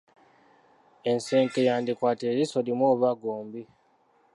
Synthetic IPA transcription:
e̞nse̞ːŋkejaːndikwaːteːɾiso̞limwoːβaɡoːmbi

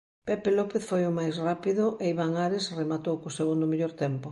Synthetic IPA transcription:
pepelɔpeθfojomajsrapiðʊʔeiβaŋaɾesremat̪owkoseɣund̪ʊmeʎoɾt̪ɛmpʊ

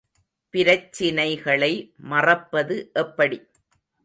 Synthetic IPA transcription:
pɪɾɐt͡ʃːɪnɐɪɣɐɭɐɪmɐrɐpːɐðɯʔɛpːɐɽi

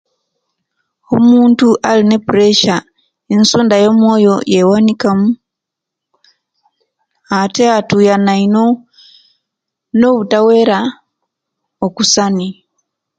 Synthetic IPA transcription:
omuːntuʔaline̞puɾeʃa | ensuːndajo̞mwo̞ːjo̞jewanikamu | ateatujanaino̞ | no̞βutawe̞ɾa | okusani

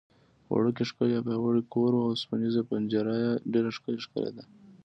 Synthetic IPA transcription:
wa̰ɽək̬eʂkəlapewaɽikoɾwawspanizapand͡ʒaɾajaɖeɾaʂkəleʂkə̰lḛd̪a

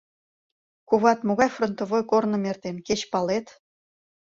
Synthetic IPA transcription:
kuβɑt̪moɣɑjfront̪ovojkornɤ̆mert̪enket͡ɕpɑlet̪

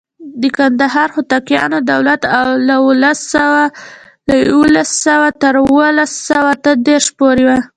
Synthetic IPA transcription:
d̪əkand̪aɦɑɾxʊt̪akjɑ̰nod̪awlat̪awlawulasawa | lajwəlasːəwat̪əɾuwəlasawat̪əd̪eɾʃpoɾewa

